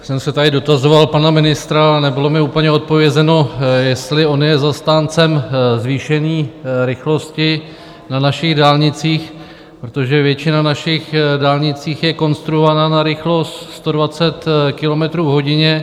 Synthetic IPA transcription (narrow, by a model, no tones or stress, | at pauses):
sɛmsɛt̪adɪdo̞t̪azo̞valpanamɪnɪst̪ɾanɛbɪlo̞mɪuːpəɲɛo̞t̪̚po̞vjɛzɛno̞jɛst̪lɪʔo̞njɛzast̪aːnt͡sɛmzviːʃɛniːɾɪxlo̞scɪ | nanaʃɪɣdaːlɲɪt͡siːx | pɾot̪o̞ʒɛvjɛt͡ʃɪnanaʃɪxdaːlɲɪt͡siːxjɛko̞nst̪ɾuovananaɾɪxlo̞st̪st̪o̞dvat͡sɛt̪kɪlo̞mɛt̪ɾuːvɦo̞ɟɪɲɛ